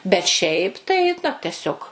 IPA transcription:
bʲɛt ˈʃʲɛɪp ˈtɐɪ nʊ tʲɛˈsʲoːk

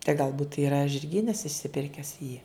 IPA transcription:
tɐɪ ɡɐlˠˈbuːt iːrɐ ʒʲɪrʲˈɡʲiːnɐs ɪʃʲsʲɪˈpʲɪrʲkʲæːs jiː

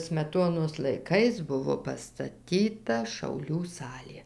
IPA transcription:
sʲmʲɛˈtoːnoːs lˠɐɪˈkɐɪs ˈbʊʋoː pɐstɐˈtʲiːtɐ ʃɐʊˈlʲuː ˈsɑːlʲeː

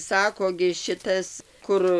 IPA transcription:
ˈsɑːkoː ɡʲɪ ʃʲɪˈtɐs ˈkʊr

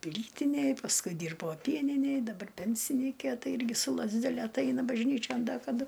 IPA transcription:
ˈpʲlʲiːtʲɪnʲeːj pɐsˈkʊɪ ˈdʲiːrboː ˈpʲiɛnʲɪnʲeːj dɐˈbɐr ˈpʲɛnʲsʲɪnʲiːkʲeː ˈtɐɪ ˈɪrʲɡʲɪ sʊ lˠɐzʲdʲɛˈlʲɛ ɐtˈɐɪnɐ bɐʒʲˈnʲiːt͡ʃʲoːn ˈdɐ kɐˈdʊ

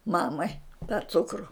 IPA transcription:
ˈmɑːmɐɪ tɑː ˈt͡sʊkrʊ

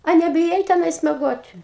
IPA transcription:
ɐ nʲɛbʲɪˈjɛɪ tʲɛˈnɐɪs mʲɛˈɡoːtʲ

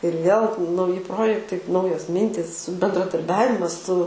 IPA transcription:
ɪr ʋʲeːlˠ nɐʊˈjɪ ˈproːjɛktɐɪ ˈnɐʊjoːs ˈmʲɪnʲtʲiːs bʲɛndrɐdɐrʲˈbʲæːʋʲɪmɐs sʊ

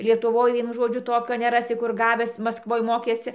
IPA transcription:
lʲiɛtʊˈʋoːj ˈʋʲiɛnʊ ˈʒoːd͡ʒʲʊ ˈtoːkʲoː nʲɛˈrɑːsʲɪ kʊr ˈɡɑːʋʲæːs mɐskˈʋoːj ˈmoːkʲeːsʲɪ

